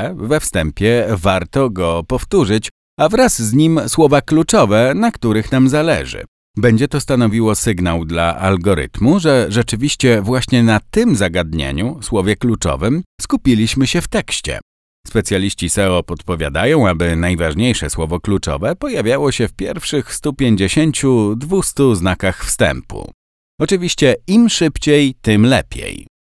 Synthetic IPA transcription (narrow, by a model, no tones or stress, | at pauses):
vɛfst̪ɛmpʲjɛvaɾt̪ɔɡɔpɔft̪uʐɘt͡ɕ | avɾazzɲimswɔvaklut͡ʂɔvɛnakt̪uɾɘxnamzalɛ̰ʐɘ̰ | bɛɲd͡ʑɛt̪ɔst̪anɔvʲiwɔsɘɡnawd̪la̰ʔa̰lɡɔɾɘ̰t̪muʐɛʐɛt͡ʂɘvʲiɕt͡ɕɛvwaɕɲɛnat̪ɘmzaɡad̪ɲḛɲuswɔvʲjɛklut͡ʂɔ̰vɘmskupʲilʲiɕmɘɕɛft̪ɛkɕt͡ɕɛ̰ | spɛt̪sʲjalʲiɕt͡ɕisɛɔpɔt̪pɔvʲja̰d̪ajɔ̃w̃abɘnajvaʐɲejʂɛswɔvɔklut͡ʂɔ̰vɛpɔjavʲjawɔɕɛfpʲjɛɾfʂɘxst̪upʲjeɲd͡ʑeɕeɲt͡ɕud̪vust̪uznakaxfst̪ɛ̰mpṵ | ɔt͡ʂɘvʲiɕt͡ɕɛimʂɘpt͡ɕejt̪ɘmlɛpʲjḛj